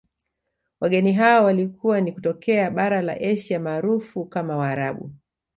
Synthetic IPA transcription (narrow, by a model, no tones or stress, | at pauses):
waɠɛniɦaɔwalikʰuwanikutɔkɛaɓaɾala̰ʔɛʃiamaːɾufukamawaːɾaɓṵ